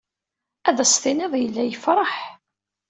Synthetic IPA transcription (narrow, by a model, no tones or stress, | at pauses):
æðæsθinæðˤjəlːæjəfɾˤɑħ